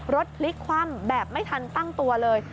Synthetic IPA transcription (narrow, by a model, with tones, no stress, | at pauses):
ɾo˦˥t̪̚pʰli˦˥kʰwaː˧˥˩mbɛː˨˩p̚ma˥˩jt̪ʰa˧nt̪a˥˩ŋt̪u˧ɐlɤː˧j